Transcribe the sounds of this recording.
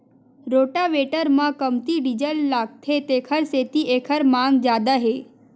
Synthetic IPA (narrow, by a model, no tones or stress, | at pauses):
ɾoːʈaʋeʈəɾmãkəmt̪iɖid͡ʒəlːaːɡ̚t̪ʰet̪ekʰəɾset̪iʔeːkʰəɾmãŋɡd͡ʒjaːd̪aɦe